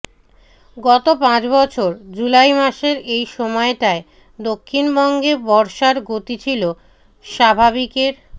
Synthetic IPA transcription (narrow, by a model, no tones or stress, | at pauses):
ɡɔt̪opãt͡ɕbɔt͡ɕʰoɾd͡ʑulajmaʃeɾejʃɔmɔeʈae | d̪okʰːinbɔŋɡebɔɾʃaɾɡot̪it͡ɕʰilo | ʃabʱaβikeɾ